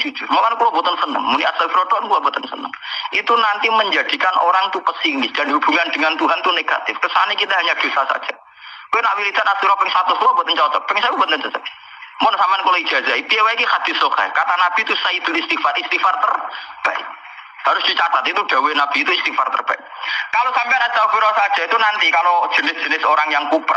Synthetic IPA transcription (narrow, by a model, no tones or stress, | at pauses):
d͡ʒ̥ud͡ʒʊrmakanakulɔbɔt̪ənsənə̰ŋmunia̰t̪salfiɾɔdɔʔnkulabɔt̪ənsə̰nə̰ŋit̪unant̪iməɲd͡ʒad̥i̤kanoɾaŋt̪upəsinɪsd̥anɦub̥uŋand̥əŋant̪uɦant̪uneɡ̥at̪ɪfkəsaanakit̪aɦaɲad̥usasa̰̥d͡ʒ̥ḁ | enawilit̪anant̪iuɾapɛŋsat̪ɔskulɔb̥ɔt̪ənt͡ʃat̪ɔb̥ɛŋsakubɔt̪nənt̪əsa | mɔnsamankolai̥ʒ̥asaip̪iewaikixad̪̥isoka̰jkat̪anab̥it̪usaid̪̥ulist̪ifarist̪ifart̪ərb̥a̰ʔ | haɾʊsd̥it͡ʃat̪at̪it̪ud̥a̤wenab̥iːt̪uist̪ifart̪ə̰rb̥a̰ɪ | kalosampeanaɲt͡ʃapiɾasḁʒ̥a̤it̪unant̪ikalod͡ʒ̥ə̤nɪsd̥ʒ̥ə̤nɪsoɾaŋjaŋkup